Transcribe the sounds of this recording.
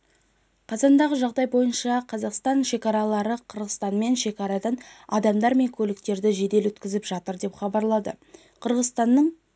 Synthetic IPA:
qʰɑzɑnd̪ɑʁəʒɑʁd̪ɑjbo̞jənʃɑqʰɑzɑqst̪ɑnʃe̞kɑɾɑlˠɑɾəqʰəɾʁəst̪ɑnme̞nʃe̞kɑɾɑd̪ɑnɑd̪ɑmd̪ɑɾme̞ŋkʲʰɵlɪk̚t̪e̞ɾd̪ɪʒe̞d̪e̞lwɵt̪kʲɪzɪpʒɑt̪əɾd̪e̞pχɑbɑɾlˠɑd̪ə | qʰəɾʁəzt̪ɑnːəɴ

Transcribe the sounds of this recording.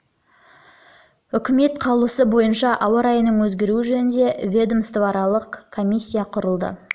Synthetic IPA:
ʏkʲɪme̞t̪qʰɑlˠuəsəbo̞jənʃɑʔɑwəɾɑjənəɴwɵzɡʲe̞ɾuɪʒɵnɪnd̪e̞vʲe̞d̪əmst̪vɑɾɑlˠəqkʰːo̞mʲisʲːijɑqʰʊɾəlˠd̪ə̰

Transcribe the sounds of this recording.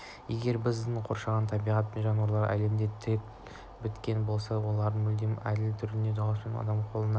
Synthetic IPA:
je̞ɡʲe̞ɾbɪzd̪ɪɴqʰo̞ɾʃɑʁɑnt̪ʰɑbijʁɑt̪ʒɑnuwɑɾlˠɑɾæ̰le̞md̪e̞t̪ʰɪet̪ | bɪt̪kʲe̞nbo̞lˠsɑwo̞lˠɑɾd̪əɴmɵld̪e̞mæd̪ɪlt̪ʰʏɾɪned̪ɑʃɪnɑ̰d̪ɑmqʰo̞lˠənɑ

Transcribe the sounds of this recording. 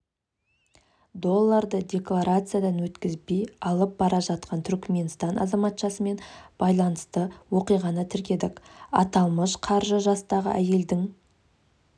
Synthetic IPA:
d̪o̞lˠːaɾd̪əd̪ʲe̞klˠaɾat̪sɨjad̪ɑnwɵt̪kʲɪzbe̞jɑlˠəp̚bɑɾɑʒɑt̪̚qɑnt̪ʰʏɾkʲme̞nst̪ɑnɑ̰zɑmɑt̪ʃɑsəme̞nb̥ɑjlˠɑnəst̪əwo̞qijʁɑnət̪ʰɪɾkʲe̞d̪ɪkɑ̰t̪ɑlˠməʃqʰɑɾʒəʒɑst̪ɑʁə̰ʔæje̞ld̪ɪŋ

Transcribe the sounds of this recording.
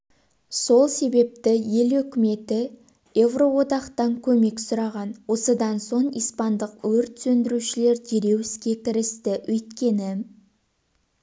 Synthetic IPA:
so̞lˠse̞be̞p̚t̪ɪje̞lɵkʲɪme̞t̪ɪ | e̞vro̞wo̞d̪ɑqt̪ɑŋkʲʰɵme̞ksʊɾɑʁɑnwo̞səd̪ɑnso̞ɴijspɑnd̪əqwɵɾt̪sɵnd̪ɪɾuʃɪle̞ɾd̪ʰeɾe̞wɪskʲe̞kʲʰɪɾɪst̪ɪʔɵjt̪kʲe̞nɪ

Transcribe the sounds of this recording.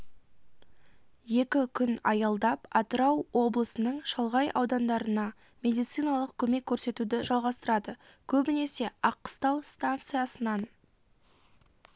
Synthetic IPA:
je̞kʲɪkʲʰʏnɑ̰jɑlˠd̪ɑpɑt̪əɾɑwwo̞blˠəsənəɴʃɑlˠʁɑjʔɑ̰wd̪ɑnd̪ɑɾənɑ | mʲe̞d̪ijt̪sɨjnɑlˠəq̚kʲʰɵme̞kʲʰːɵɾse̞t̪ud̪ɪʒɑlˠʁɑst̪əɾɑd̪əkʲʰɵbɪne̞se̞ɑqːə̥st̪ɑwst̪ant̪sɨjasənɑn

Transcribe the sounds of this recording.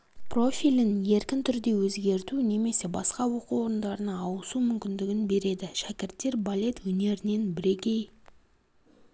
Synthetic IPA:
pro̞fʲilʲɪnje̞ɾkʲɪnt̪ʰʏɾd̪e̞wɵzɡʲe̞ɾt̪une̞me̞se̞bɑsqɑwo̞quwo̞ɾənd̪ɑɾənɑːwəsumʏmkʲɪnd̪ɪɡʲɪnbe̞ɾe̞d̪ɪʃækʲɪɾt̪ːe̞ɾbalʲe̞t̪wɵne̞ɾɪne̞nbɪɾe̞kʲe̞j

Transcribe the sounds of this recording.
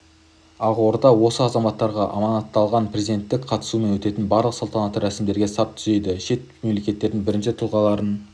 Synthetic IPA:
ɑʁwo̞ɾd̪ɑwo̞səɑzɑmɑt̪ːɑɾʁɑʔɑ̰mɑnɑt̪ːɑlˠʁɑnprezid̪e̞nt̪ːɪkqʰɑt̪ə̥sume̞nwɵt̪e̞t̪ɪnbɑɾlˠəqsolˠt̪ɑnɑt̪ːəɾæsɪmd̪e̞ɾɡʲe̞sɑp̚t̪ʰʏ̥ze̞d̪ɪʃe̞t̪̚me̞mle̞kʲe̞t̪ːe̞ɾd̪ɪŋbɪɾɪnʃɪt̪ʰʊlˠʁɑlˠɑɾən

